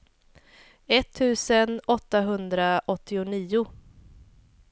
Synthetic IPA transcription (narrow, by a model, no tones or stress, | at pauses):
ɛt̪ʰːʉ̟ːsənɔt̪ːaɦɵnd̪ɾaʔɔt̪ʰːɪʊniːʊ